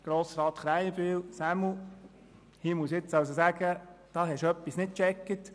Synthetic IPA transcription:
ɡ̥ɾoːsɾɑːt̪χɾæɪjb̥iːlsæmu | hiːmuəsjɪt͡sɑws̬osæɡ̥əd̥ɑːɦɛʃœpːisnɪt̚t͡ʃɛkːət

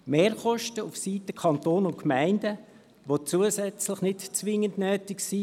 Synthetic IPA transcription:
meːɾχɔʃtəufsiːtəkʰɑnt̪oːnʊntkmæɪndə | ʋot͡suəsɛt͡slɪχnɪtt͡sʋɪŋəndnœːtɪksiː

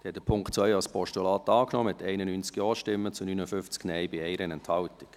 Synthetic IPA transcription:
d̥ɛtd̥əpʰʊŋktt͡sʋœʏɑspɔʃtulɑːt̪ɑːknɔːmɪtʰɛɪnənyːnt͡skjɔːʃtɪmːət͡sunyːnəfʏnft͡sknɛɪbɪɛɪɾənɛnthɑltɪ̥k

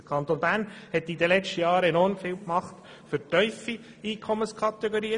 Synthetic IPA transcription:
əkʰɑnt̪onbæːɾnhɛt̪ːid̪əlɛt͡ʃtəjɑːɾɛnɔɾmfiːwkmɑχt | fʏɾtœʏfi | iːkʰɔmənskʰɑt̪ɛɡoɾiːə

